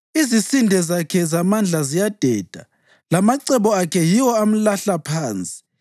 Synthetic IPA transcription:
izisindʱɛzakʰɛzamand͡ɮʱazijad̥ʱɛːd̥ʱa | lamaǀɛβɔakʰɛjiwɔam̩laɬapʰaːnt͡sʼi̥

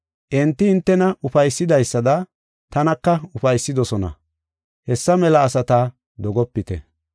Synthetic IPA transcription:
ʔɪnt̪ːɪɪnt̪ːɛnɐʊfɐjsːɪd̪ɐjsːɐd̪ɐ | t̪ɐnɐkːɐʊfɐjsːɪd̪ɔsɔnɐ̰ | hɛsːɐmɛlɐːsɐt̪aː | d̪ɔɡɔpːɪt̪ɛ̰

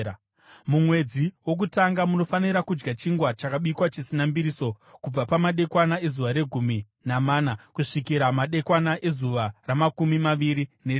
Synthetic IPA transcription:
mumwe̞d͡ziwo̞k̬utaŋɡamuno̞faniɾakud͡ʒɡat͡ʃiŋɡwat͡ʃakaɓikwat͡ʃisinambiɾiso̞ | kub͡vapamaɗe̞kwanae̞zuʋaɾe̞ɡʱumi | namaːnakuʂikiɾamaɗe̞kwanaʔe̞zuʋaramakumimaʋiɾine

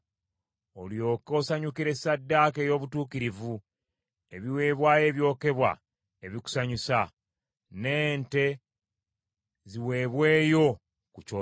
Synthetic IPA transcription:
oljo̞ːko̞saɲukiɾe̞sadːaːkejo̞ːβutuːkiɾivu | e̞βiwe̞ːβwaːje̞ːβjo̞ːke̞βwa̰ | e̞βiku̥saɲusa | ne̞ːnte̞ | ziwe̞ːβwe̞ːjo̞ | kut͡ʃo

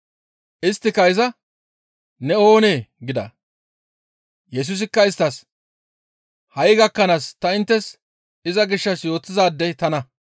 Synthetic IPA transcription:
ʔɪst̪ːɪkɐɪzɐ | nɛo̞ːneːɡɪd̪ɐ̰ | jɛs̬ʊs̬ɪkːɐɪst̪ːɐs | hɐjɡɐkːɐnaːst̪ɐɪnt̪ːɛs | ɪzɐɡɪʃːɐsjo̞ːt̪ːɪzaːd̪ːɛt̪ɐnɐ

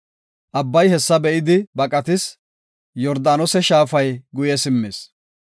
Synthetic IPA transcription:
ʔɐbːɐjhɛsːɐbɛʔɪd̪ɪbɐkʼɐt̪ɪs | jɔɾd̪aːnɔsɛʃaːfɐjɡʊjɛsɪmːeːs

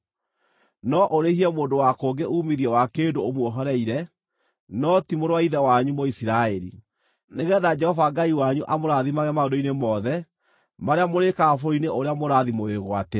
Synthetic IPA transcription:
nɔʔoɾehiɛmoːndowakoːɡeʔuːmiðiɛwakeːndoomwɔɦɔɾɛiɾɛ | nɔtimoɾwaiðɛwaɲumɔisiɾaɛɾḭ | neɣɛðad͡ʒɛhɔvaɡaiwaɲuʔamoɾaðimaɣɛmaõndoinemɔðɛ | maɾeamoɾekaːfoɾineʔoɾeamoɾaðimoeɣwatɛ

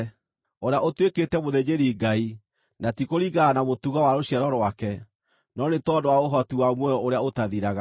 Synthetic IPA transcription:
oɾeaʔotweketɛmoðeɲeɾiɡai | natikoɾiɡaːnamotuɣawaɾoɕiaɾɔɾoakɛ | nɔnetɔndowaoɦɔtiwamwɛɔoɾeaotaðiɾaɣa

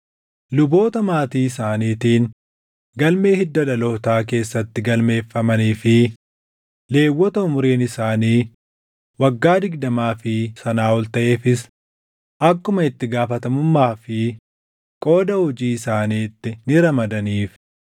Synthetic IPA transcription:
lʊbo̞ːt̪ɐmaːt̪iːɪsaːniːt̪iːn | ɡɐlme̞ːhɪd̪ːɐᶑɐlot̪aːk̬e̞ːsːɐt̪ːɪɡɐlme̞ːfːɐmɐniːfɪ | le̞ːwːɔt̪ɐʊmʊɾeːnɪsaːniː | wɐɡːaːd̪ɪɡd̪ɐmaːfɪsɐnaːɔlt̪ɐʔe̞ːfɪs | ʔɐkːʊmɐɪt̪ːɪɡaːfɐt̪ɐmʊmːaːfɪ | kʼo̞ːd̪ɐhɔd͡ʒiːɪsaːniːt̪ːɪnɪɾɐmɐd̪ɐniːf

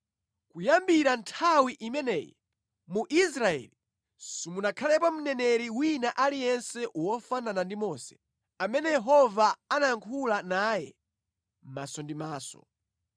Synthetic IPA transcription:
kujambiɾantʰawiʔimɛnɛːjɛ̰ | muʔisɾaɛ̰li | simunakʰalɛpam̩nɛnɛɾiwinaʔalijɛnsɛʔuwɔfananandimɔsɛ̥ | amɛnɛjɛɦɔvaanaŋkʰulanaːjɛ | mmasɔndimaːsɔ̰

